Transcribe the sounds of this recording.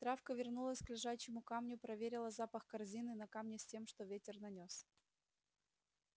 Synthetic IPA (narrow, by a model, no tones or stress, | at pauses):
t̪ɾafkəvʲɪrnulˠəsʲklʲɪʐaɕɪmʊkamnʲʊpɾɐvʲeɾʲɪlˠəzapəxkɐrzʲinɨnɐkamnʲɪsʲtʲe̞mʂt̪o̞vʲetʲɪrnɐnʲo̞s